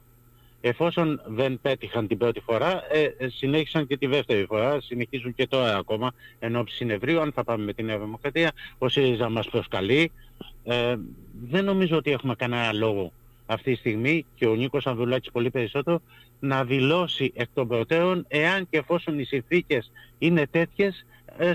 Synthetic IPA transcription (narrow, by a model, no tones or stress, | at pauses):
e̞fo̞so̞nðe̞npe̞t̪ixɐnt̪ibɾo̞t̪ifo̞ɾɐesine̞çi̥sɐɲce̞t̪iðe̞ft̪e̞ɾifo̞ɾɐsine̞çizuɲce̞t̪o̞ɾɐːko̞mɐe̞no̞psi̥sine̞vɾioɐnθɐpɐme̞me̞t̪ine̞ɐðimo̞kɾɐt̪iɐo̞sizɐmɐspɾo̞skɐli | ðe̞nːo̞mizo̞ot̪ie̞xume̞kɐnenɐlo̞ɣo̞ | ɐft̪it̪ist̪iɣmice̞o̞niko̞sɐnðulɐci̥spo̞lipe̞ɾiso̞t̪e̞ɾo̞ | nɐðilo̞siʔe̞k̚t̪o̞mbɾo̞t̪e̞ɾo̞ne̞ɐnceːfo̞so̞nisinθice̞sine̞t̪e̞t̪çe̞s